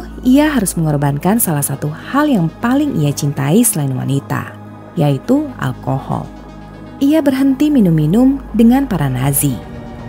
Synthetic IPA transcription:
iaɦaɾʊsməŋɔrbankansalahsat̪uhaljaŋpalɪŋʔḭat͡ʃint̪aisəlainwa̰nit̪a̰ | jait̪ua̰lkohɔ̰l | ʔiabərɦənt̪iminuminʊmdəŋanpaɾanazi

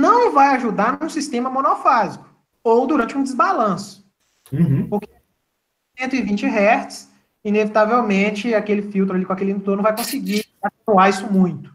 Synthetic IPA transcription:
nɐ̃w̃vajaʒud̪aɾnũsist̪ẽmɐmõnofazikʊ̥ | owd̪uɾɐ̃t͡ʃɪũd͡ʒɪzbalɐ̃sʊ̥ | ũpoɾke | sẽnt̪ʊivĩnt͡ʃɪɦɛɾt͡ʃɪ̥s | inevit̪avewmẽt͡ʃɪakelɪfiwt̪ɾalikõakelĩd̪t̪oɾnũvajkõsɪɡiatuaisʊmũj̃t̪ʊ̥

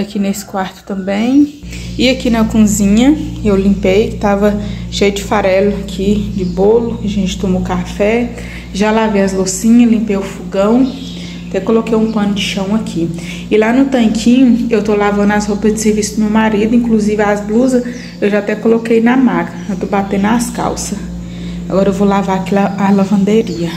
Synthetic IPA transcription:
akinesɪ̥kwaɾt̪ʊ̥t̪ɐ̃mbẽj̃iakinɐkõzĩɲɐewlĩmpejkɪ̥t̪avɐʃejʊd͡ʒɪfaɾɛlʊakʰid͡ʒɪbolʊɐʒẽt͡ʃɪ̥t̪ũmʊkafɛ | ʒalavejɐzlosĩɲɐlĩmpejʊfuɡɐ̃w̃ | at̪ɛkolokejũpɐ̃nʊd͡ʒɪʃɐ̃w̃ɐkʰi | ɪlanʊt̪ɐ̃kʰĩɲʊewt̪olavɐ̃nd̪ʊashopɐzd͡ʒɪseɾvisʊmewmaɾid̪ʊĩkluzivɪazbluzɐ | ewʒaat̪ɛkolokejnɐmakɐewt̪obat̪ẽnd̪aska̰wsɐ | aɡɔɾɐewvowlavaɾakilaalavɐ̃d̪eɾiɐ

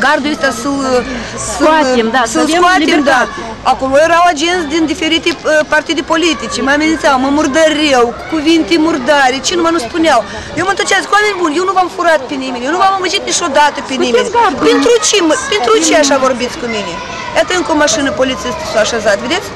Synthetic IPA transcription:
ɡard̪uest̪asu | sɨmasɨkuat̪imd̪a | akolojeɾawad͡ʒent̪sʲd̪ind̪ife̞ɾit̪epart̪id̪epo̞lit̪it͡ʃemamenint̪sawməmurd̪əɾʲewkuvint̪emurd̪aɾʲet͡ʃenumanuspuneaw | jewmət̪ət͡ʃeaskuamenʲbunjewnuvamfuɾat̪̚penimʲenjewnuvaməməd͡ʒit̪nit͡ʃod̪at̪əpenimad̪pent̪ɾut͡ʃeməpent̪ɾut͡ʃeaʃavo̞rbit̪sʲkuminʲe | jat̪əɨŋkəomaʃɨnəpo̞lit̪sist̪i̥suaʃazat̪vʲed̪et̪ʲ

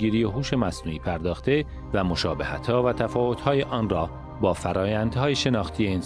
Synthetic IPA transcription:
ɡiːɾijeɦuːʃe̞mæsnuːiːpʰæɾd̪ɒːxt̪e̞ | væmo̞ʃɒːbehæ̰t̪ʰhɒːvæt̪ʰæfɒːvo̞t̪hɒːjeʔɒːnrɒː | bɒːfæɾɒːjænd̪hɒːjeʃe̞nɒːxt̪ʰije̞ens

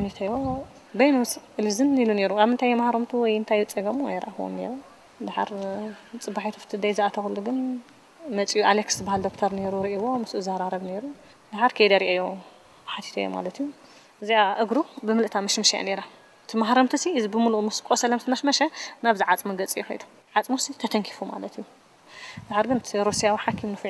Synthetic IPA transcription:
anit̪ʰɐjo | bɐjnwsɨlizɨnilune̞ɾuaβɨnt̪ʰajemahɾɐmt̪ʰuwɔjɨnt̪ʰajut͡sʼɐɡɐm̰jɾɐ̰ʔaxwo̰nnḛɾu | d̪aħa̰ɾt͡sʼɨbːaħit̪ʰɐft̪ʰɨd̪ɐjzɨʔat̪ʰɐxɨlːuɡɨn | mɐt͡sʼijuʔaleksɨbahald̪o̞k̚t̪ʰɐɾne̞ɾuɾiʔiwomɨsuɨzaɾaɾɐβne̞ɾu | d̪aħaɾkʰejd̪ɐɾiʔejːo | ħat̪ʰi̥t̪ʰɐ̰jːo̰ma̰lɐt̪iju | ʔɨziaʔɨɡɾubɨmɨlʔɨt̪ʰamɐʃmɐʃaa̰ne̞ɾa | t̪ʰɨmahɾɐmt̪ʰɐsiɨzibɨmulumɨskʼosɐlɐmsʰɨnɐʃmɐʃɐnaβzɨʕat͡sʼmɐɡɐt͡sʼijɛxɐ̰jd̪u̥ | ʕat͡sʼmusit̪ʰɐt̪ʰɐŋkʰi̥fuma̰lɐt̪ʰiju | d̪aħaɾɡɨnt̪ʰiɾusijawiħakʰːimnɨf

